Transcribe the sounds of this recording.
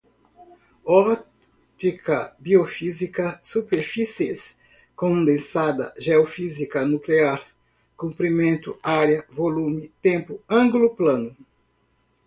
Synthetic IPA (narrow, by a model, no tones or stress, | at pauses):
ɔ | t̪ikʰɐbiofizikɐsupeɾfises | kõd̪ẽsad̪ɐ̰ʒeofizikɐnukleaɾ | kũmpɾimẽnt̪ʊaɾjɐvolũmɪt̪ẽmpʊɐ̃ŋɡlʊplɐ̃nʊ